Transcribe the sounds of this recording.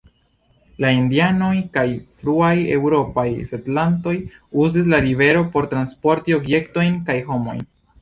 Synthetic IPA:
laindiano̞jkajfɾuaje̞̰wɾo̞pajsetlanto̞juzis̬laɾibe̞ɾo̞po̞ɾtɾanspo̞ɾtio̞bje̞kto̞jnkajɦo̞mo̞̰jn

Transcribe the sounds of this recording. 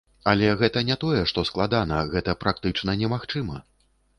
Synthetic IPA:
alʲɛɣɛt̪ɐnʲɛt̪ɔjɛʂt̪ɔsklˠad̪anɐɣɛt̪ɐpɾak̚t̪ɨt͡ʂnɐnʲɛmaxt͡ʂɨmɐ

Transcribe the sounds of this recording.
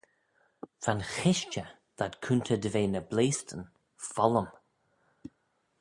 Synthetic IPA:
v̥anxɪʃt͡ʃə | ð̥atkʰuntʰədəveːnəbleːstən | fɔləm

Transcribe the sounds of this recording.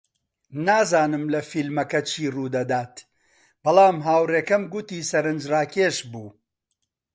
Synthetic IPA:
naːzaːnɨmlɐfilmɐkɐt͡ʃʰiːruːd̪ɐd̪aːt̪ | b̥ɐlˠaːmɦaːwreːkɐmɡʊt̪iːsɐɾɨnd͡ʒraːkeːʃbuː

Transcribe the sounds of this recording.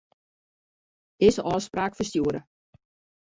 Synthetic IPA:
ɪsʔɔːspraːkfəstjuəɾə

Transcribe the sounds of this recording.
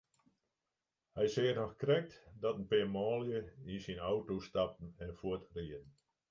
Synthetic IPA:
hɛjseːtɔxkrɛk̚tdɔtən̩pemɔːljəinsinawtostap̚n̩ɛnfuətriən

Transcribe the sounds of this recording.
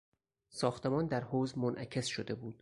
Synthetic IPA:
sɒːxt̪e̞mɒːnd̪æɾhoːzmonʔæcʰe̞sʃod̪e̞buːd̪̥̚

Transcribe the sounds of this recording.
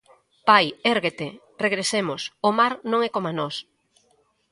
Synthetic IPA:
pajeɾɣet̪e | reɣɾesemʊsomaɾnõŋɛkomanɔs

